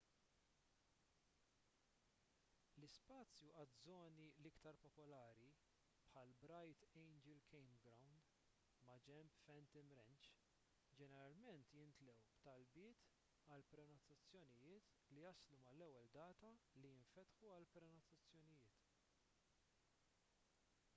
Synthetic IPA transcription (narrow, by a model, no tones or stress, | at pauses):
lɪspɐːt͡sjuʔɐt̪zɔːnilɪkt̪ɐɾpɔpɔlɐːɾi | pħɐlbɾɐjt̪ɛjnd͡ʒɛlkʰɛjmɡɾɐwnd̪ | mɐd͡ʒɛmpfɛnt̪ɪmɾɛnt͡ʃ | d͡ʒɛnɛɾɐlmɛnt̪jɪnt̪lɛwbt̪ɐlbɪːt̪ | ɐlpɾɛnɔt̪ɐt͡sːjɔnɪjɪːt̪ | lijɐslumɐlɛwːɛld̪ɐːt̪ɐlijɪɱfɛt̪ħuɐlpɾɛnɔt̪ɐt͡sːjɔnɪjɪːt̪